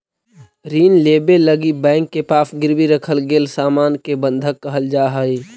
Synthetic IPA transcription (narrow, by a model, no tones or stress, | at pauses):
ɾiːnleːbeləɡibɛ̃ːŋkːepaːpɡɪɾbiɾəkʰəlɡeːlsaːmaːnkebə̃nd̪ʱəkːəɦəld͡ʒaːɦəiː